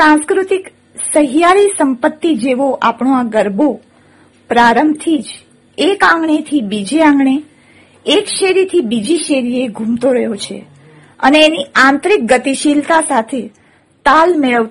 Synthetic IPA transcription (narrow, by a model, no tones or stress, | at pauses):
sãnskɾut̪ik | səɦijaɾisəmpət̪ːid͡ʒeʋoʔapɳoaɡəɾbo | pɾaɾəmbt̪ʰid͡ʒ | ekãŋɡɳet̪ʰibid͡ʒeãŋɡɳe | ekʃeɾit̪ʰibid͡ʒiʃeɾieɡʱũmt̪oɾəɦjot͡ʃʰḛ | ə̰neːniãnt̪ɾik̚ɡət̪iʃilt̪asat̪ʰe | t̪almeɭəʋ